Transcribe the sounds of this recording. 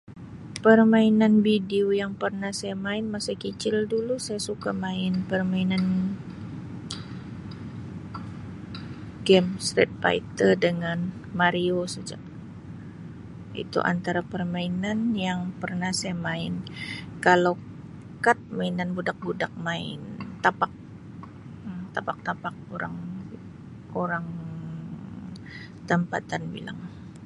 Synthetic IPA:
pərmainanbideojaŋpərnahsajamaɪnmasakət͡ʃɪldulusajasukamaɪnpərmainan | ɡɛmst̪ɾɛ̰t̪̚fa̰it̪ərdəŋan | maɾiosəd͡ʒa̰a | ḭt̪ṵʔa̰nt̪aɾapərmainanjaŋpərnahsajamaɪnkalaw | kat̪̚mainanbudak̚budak̚maɪ̰nt̪apak̚ | t̪apak̚t̪apak̚oɾa̰ŋ | oɾaŋ | t̪əmpa̰t̪anbḭla̰ŋ

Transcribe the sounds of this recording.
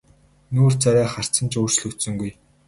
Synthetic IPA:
nuːr̥t͡saɾæːχar̥t͡sə̆nt͡ɕoːr̥t͡ɕ̆ɮusɵ̆ŋɡuj

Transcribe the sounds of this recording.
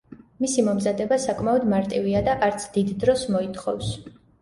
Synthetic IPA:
misimɔmzad̪ɛbasakʼmaɔd̪maɾt̪ʼiviad̪aʔaɾt̪sʰd̪id̪ːɾɔsmɔit̪ʰʼχɔ̰fs

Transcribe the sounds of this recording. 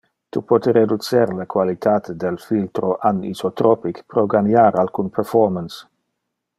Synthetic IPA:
t̪upɔt̪eɾed̪ut͡seɾlekwalit̪ʰat̪ʰed̪elfilt̪ɾoʔanḭsot̪ɾopikpɾoɡanjaɾalkunpʰɛɾfɔɾmans

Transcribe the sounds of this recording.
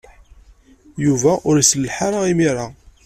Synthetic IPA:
juvæʔʊɾisəlːħaɾˤaimiɾˤa

